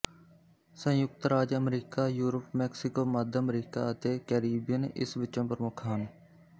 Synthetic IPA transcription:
sə̃jʊk̚t̪ɾaːd͡ʒəmɾiːkaːjuːɾəpmɛːksɪkoːməd̪ʱəmɾiːka̰ːət̪eːkɛːɾiːbɪjənʔɪ̰sʋɪt͡ʃːõːpəɾmʊkʰaːn

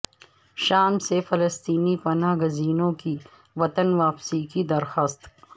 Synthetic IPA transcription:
ʃaːmsefɐləst̪iːnipɐnaːɡɐziːnõki | ʋɐt̪ənʋaːpsikid̪ɐɾxaːst̪

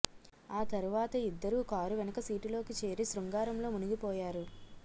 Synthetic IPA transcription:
aːt̪ɐɾuʋaːt̪ɐid̪ːɐɾuːkaːɾuʋɛnɐkɐsiːʈilo̞ːkit͡ʃe̞ːɾisɾuŋɡaːɾɐmlo̞ːmunuɡipɔːjaːɾu

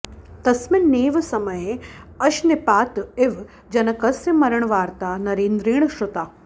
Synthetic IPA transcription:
t̪ɐsmɪnneːʋɐsɐmɐjeɐʃnɪpaːt̪ɪʋ | d͡ʒɐnɐkɐsɐmɐɾɐɳ̃ʋaːɾt̪aːnɐɾeːnd̪ɾiːɳ̃ɐʃɾut̪aː

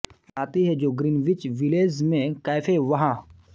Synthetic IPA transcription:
aːt̪iɦɛd͡ʒoːɡɾinʋɪt͡ʃʋɪleːzmẽkaːfʰeʋɐɦãː

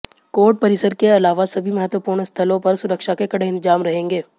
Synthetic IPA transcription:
koːɾʈ̚pɐɾɪsəɾkeɐlaːʋasɐbʱimɐɦət̪wəpuːɾɳəst̪ʰəlõpɐɾsʊɾəkʃakekɐɽeɦɪ̃nt̪ɪzaːmɾɐɦẽːŋɡeː

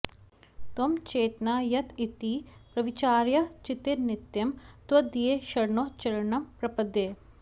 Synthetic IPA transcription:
t̪omt͡ʃeːt̪naːjɐt̪ʰit̪ːiːpɾɐʋɪt͡ʃaːɾjɐt͡ʃɪt̪iɾnɪt̪jɐmt̪wɐd̪ijeʃɐɾɳoːt͡ʃɐɾɐɳɐmpɾɐpɐd̪jeː

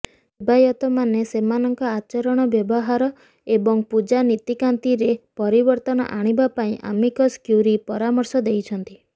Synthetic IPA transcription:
bajɔt̪ɔmanesemanɔŋkɔat͡ʃɔɾɔɽ̃ɔbjɔbɔɦaɾɔ | ebɔŋpud͡ʒanit̪ikant̪iɾepɔɾibɔɾt̪ɔnɔ̰ʔaɽ̃ibapaĩʔa̰mikɔskjuɾipɔɾamɔɾsɔd̪ejt͡ʃʰɔnt̪i

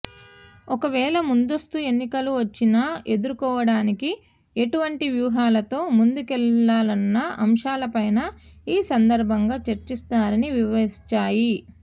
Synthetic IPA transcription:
ɔkɐʋɛːlɐmund̪ost̪ue̞nːikɐluʋɐt͡ʃːinae̞d̪uɾukɔːʋɐɽaːniki | e̞ʈuʋɐɳʈiʋjuːɦaːlɐt̪o̞ːmund̪ukɛlːaːlɐnːɐɐmʂaːlɐpɐjnɐiːsɐnd̪ɐɾbʱɐŋɡaːt͡ʃɐɾt͡ʃist̪aːɾɐniʋiʋɐist͡ʃaːji

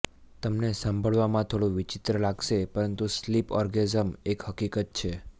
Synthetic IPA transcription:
t̪əmnesə̃mbʱəɭʋamãt̪ʰoɽũʋɪt͡ʃɪt̪ɾəlaɡʃepəɾənt̪uslipɔɾɡezəmekhəkikət̪̚t͡ʃʰe

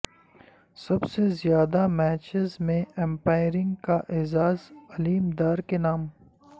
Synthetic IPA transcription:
sɐbsezjaːd̪amɛːt͡ʃɪzmẽɛ̃mpaːɪɾɪ̃ŋɡkaʔeːzaːzɐliːmd̪aːɾkenaːm

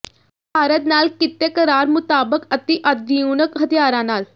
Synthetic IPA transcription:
bʱaːɾət̪naːlkɪt̪ːekəɾaːɾmʊt̪aːbəkət̪iʔəd̪iuːnəkɦət̪ijaːɾãnaːl

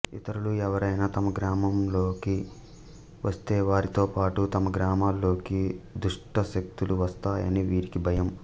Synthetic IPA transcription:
it̪ɐɾuluɛʋɐɾɐjnaːt̪ɐmɐɡɾaːmɐmlo̞ːki | ʋʔɐst̪eːʋaːɾit̪o̞ːpaːʈut̪ɐmɐɡɾaːmaːlːo̞ːkid̪uʂʈɐʃɐk̚t̪uluʋɐst̪aːjɐ̰niʋiːɾikibʱɐjɐm

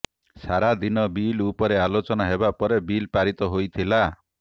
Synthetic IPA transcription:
saɾad̪inɔbilupɔɾealot͡ʃɔnaɦebapɔɾebilpaɾit̪ɔɦojt̪ʰila

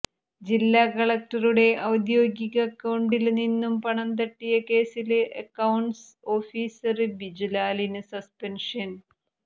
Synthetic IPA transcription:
d͡ʑilːaːkɐɭɐk̚ʈɐruɽe̞ʔɐwd̪jo̞ːɡjiɣɐːkːɐwɳɖilninːumpɐɳɐnt̪ɐʈːijɐke̞ːsilʔɐkːɐwɳɖs | o̞ːfiːsɐrɨbid͡ʑilaːlinɨsɐspenʂɐn

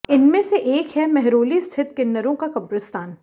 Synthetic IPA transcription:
ɪnmẽseʔeːkɦɛmɛɦɾoːlist̪ʰɪt̪kɪnːəɾõkakɐbɾɪst̪aːn

